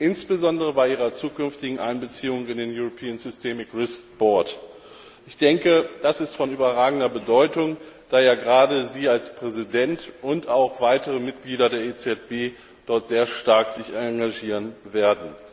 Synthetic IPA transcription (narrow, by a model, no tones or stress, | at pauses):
ʔɪnsb̥əzɔndəʁəbaɪʔiːʁɐt͡suːkʏnftɪɡŋ̩ʔaɪnbət͡siːʊŋɪndeːnjuʁopʰiːənzʏstʰɛːmɪkʁɪskb̥ɔɐt | ʔɪçd̥ɛŋkəd̥asɪstfɔnʔyːbɐʁaːɡŋ̩dɐbədɔʏtʊŋd̥aːjaːɡəʁaːdəziːalspʁ̥ɛzidɛntʔʊntaʊxv̥aɪtəʁəmɪt̚ɡ̥liːdɐdeːɐet͡sɛt̚b̥eː | d̥ɔɐtz̥eːɐʃtaɐkz̥ɪçaɡaʒiːʁənveːɐdn̩